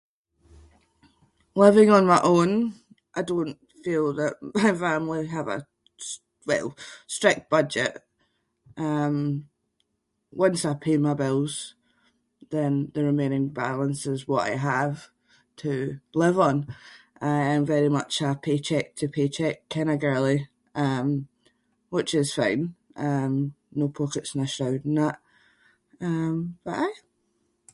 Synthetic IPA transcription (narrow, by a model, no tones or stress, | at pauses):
lˠɪvɪ̃ŋə̃nmaɪʔõn | ʔaɪdõnʔ | filˠðəʔmaɪfãmlˠiəvə̰ | s | wɛ̰lˠstɹ̥ɪk̚t̚b̥ʌd͡ʒɪ̰ʔ | ʔʌ̃m | wʌ̃nsaɪpʰemaɪbɪlˠz̥ | ðə̃nðəɹɪmẽnɪ̃ŋba̰lˠə̃nsɪzwɔʔa̰ɪəv̥ | tʰəlˠɪvə̃n̩ʔaɪə̃ɱvɛɹimʌt͡ʃəpʰet͡ʃʰɛk̚tʰəpʰet͡ʃʰɛkʰɛñəɡɜ˞lˠi | ʔʌ̃m | wɪt͡ʃɪz̥fã̰ɪ̃n | ʔʌ̃m | nopʰokɪtsnəʃaʊdn̩ðəʔ | ʌ̃mb̥əʔaɪ